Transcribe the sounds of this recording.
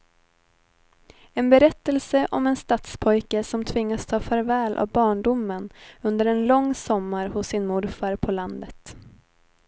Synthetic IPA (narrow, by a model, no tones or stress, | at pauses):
ɛnbɛɾɛt̪ːəlsəʔɔmɛnst̪at̪spʰɔjkəsɔmt̪ʰvɪŋːast̪ʰɑːfœːɾvɛːlʔa̰vbɑːɳɖʊmːənɵnd̪əɾɛnlɔŋːsɔmːaɾhʊsːɪnmʊɾfaɾpʰɔland̪ət̪